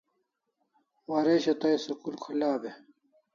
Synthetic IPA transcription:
waːɾeːɕɐt̪ɐjsɐkulkʰɐlaːbe

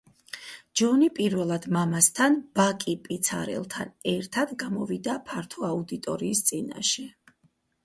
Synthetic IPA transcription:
d͡ʒɔnipʼiɾvɛlˠad̪mamast̪ʰanb̥akʼipʼit̪sʰa̰ɾɛ̰lˠt̪ʰa̰nɛɾt̪ʰad̪ɡamɔvid̪apʰaɾt̪ʰɔaud̪it̪ʼɔ̰ɾiːst̪sʼina̰ʃɛ

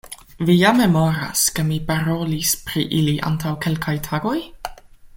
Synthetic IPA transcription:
vijamːe̞moɾa̰ske̞mipaɾo̞lispɾḭʔiliʔa̰ntʰawke̞lkʰajtʰaɡo̞j

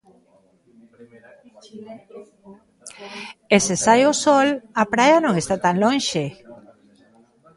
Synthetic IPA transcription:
esesajosolapɾajanõŋest̪at̪aŋlõnʃe

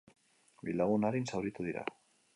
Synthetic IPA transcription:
bilaɣunaɾinsawɾit̪uðiɾa̰

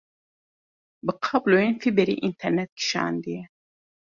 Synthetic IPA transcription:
bɨqʰɑblojenfibɛɾḭʔint̪ʰɛɾnɛt̪̚kʰi̥ʃɑ̰ːnd̪ɨjɛ

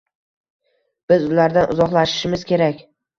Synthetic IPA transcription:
b̥ɪzʊlaɾd̪anʊzɒχlˠaʃɪ̥ʃɪmɪzkʲe̞ɾakʲ

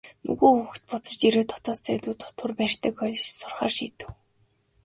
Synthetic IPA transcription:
nɵ̰ɣuːuxt̪̚pʊt͡sə̆t͡ɕt̪iɾoːt̪ʰɔt̪ɔːst͡sæt̪uːt̪ʰɔt̪ʰʊrpæːr̥ʲt̪ʰĕːkɔɮsʊrχa̰ːrʃiːt̪ɘ̆w

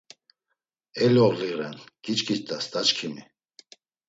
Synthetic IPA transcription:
ɛlɔʁliɾɛ̰nɡ̥it͡ʃʼkʼit͡ʃt̪ʼast̪ʼat͡ʃkʰimi

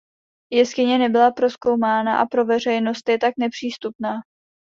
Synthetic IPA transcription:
jɛskɪɲɛnɛbɪlapɾo̞sko̞wmaːnaʔa̰pɾo̞vɛr̝ɛjno̞st̪jɛt̪aknɛpr̥iːst̪upnaː

